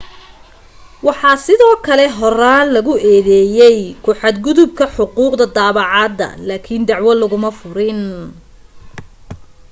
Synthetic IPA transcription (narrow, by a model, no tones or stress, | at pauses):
wɑħɑːsɪðɔːkʰɐlɛɦɔraːnlɐɣʊɛːðɛːjɛjkʰʊħɑd̪ɡʊðʊb̚kʰɐħʊquːqd̪ɐd̪aːβɑʕɑːd̪ɐ̰laːkʰind̪ɑʕwɐlɐɣʊmɐfʊɾɪn